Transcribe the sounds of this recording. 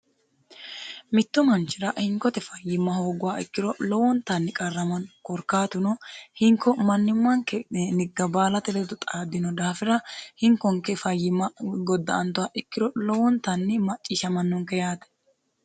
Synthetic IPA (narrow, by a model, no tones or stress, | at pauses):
mɪt̪ːʊmɐnt͡ʃːɪɾɐhɪŋkɔt̪ɛfɐjːɪmːɐho̞ːɡʊwaːɪ̰kːɪɾɔlɔwɔnt̪ɐnːɪkʼɐrːɐmɐnkɔɾkaːt̪ʊnɔhɪŋkʰːɔmɐnːɪmːɐŋkɛnɪɡːɐbaːlɐt̪ɛlɛd̪ɔt̪ʼaːd̪ɪnɔd̪aːfɪɾɐhɪŋkɔŋkɛfɐjːɪmːɐɡɔd̪ːɐ̰ɐnt̪ʊwaːʔɪkːɪɾɔlɔwɔnt̪ɐnːɪmɐt͡ʃʼːiʃɐmɐnːɔŋkɛjaːt̪ɛ̥